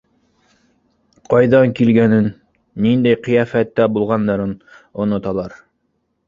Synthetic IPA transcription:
qɑjðɑŋkilɡænɘnː | ind̪æjqĭjæfæt̪ːæbulˠʁɑnd̪ɑɾɤn | ŏnŏt̪ɑlˠɑɾ

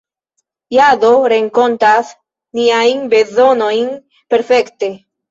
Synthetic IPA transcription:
jado̞ɾeŋko̞ntas | niajnbe̞zo̞no̞jn | pe̞ɾfe̞kte̞

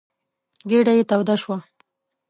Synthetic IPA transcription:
ɡeɽajet̪awd̪aʃwa

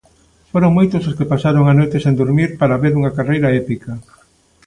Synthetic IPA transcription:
foɾoŋmojt̪ososkɪpasaɾoŋanojt̪ɪsẽnd̪oɾmiɾpaɾaβeɾuŋɐkarejɾɐɛpikɐ

